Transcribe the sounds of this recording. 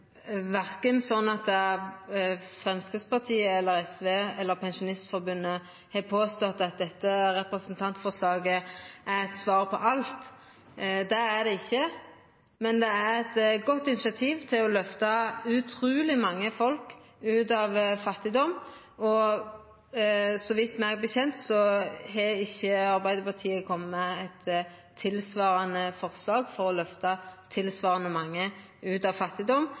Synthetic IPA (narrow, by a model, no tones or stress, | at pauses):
ʋæʁkənsɔnːɑt̪̚d̪ɛ | fʁɛmskʁɪt̪spɑʁt̪ʰiːəɛlːəɾɛsʋeːɛlːəɾpʰɛnʃʊnɪst̪fɔɾbʉnːə | heːpʰoːst̪ɔt̪ːɑt̪̚d̪ɛt̪ːəɾɛpɾəsənt̪ʰɑnt̪fɔʂlɑːɡəæɾɛt̪sʋɑːɾpʰɔʔɑlt̪ | d̪ɛæd̪ɛɪçːə | mɛnd̪ɛæɾɛt̪ɡɔt̪ːɪnɪʃɑt̪ʰiːʋt̪ʰɪlɔlœft̪ɑʉt̪ʰʁʉːlɪmɑŋːəfɔlkʉːt̪ɑʋfɑt̪ːɪd̪ɔmː | ɔ | sɔʋɪt̪ːmɛɡbəçɛnt̪sɔɦɛɪçːəɑʁbæɪd̪əɾpɑʁt̪ʰiːəkʰɔmːəɛt̪ʰː | ɪlsʋɑːɾɑnəfɔʁslɑːɡfɔʁɔlœft̪ɑt̪ʰɪlsʋɑːʁɑnəmɑŋːə | ʉːt̪ɑʋfɑt̪ːɪd̪ɔm